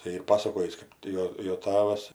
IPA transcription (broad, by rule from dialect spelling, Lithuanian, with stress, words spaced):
tɐɪ ˈiːr ˈpɑːsɐkoːjiːs ˈkɐp tʲɪ joː joː ˈtɑːʋɐs